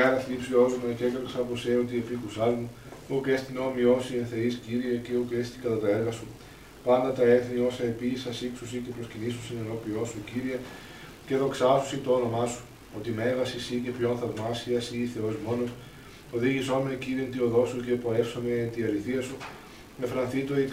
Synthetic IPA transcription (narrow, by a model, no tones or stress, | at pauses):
eɾɐθlipsiozomecekɾɐksɐposeo̞t̪iepikusɐzmu | ukest̪inomio̞sienθe̞isciɾiɐceukest̪ikɐt̪ɐt̪ɐeɾɣɐsu | pɐnd̪ɐt̪ɐe̞θnio̞sɐepisɐsiksusicepɾo̞scinisusenɐno̞pio̞suciɾiɐ | ce̞ðo̞ksɐsu̥sit̪oono̞mɐsu̥ | o̞t̪ime̞vɐsisicepçonθɐvmɐsiɐsiːθe̞o̞zmo̞no̞s | oðiʝiso̞meciɾient̪io̞ðo̞suce̞poefsoment̪iɐɾiθiɐsu | mefɾɐnθit̪oi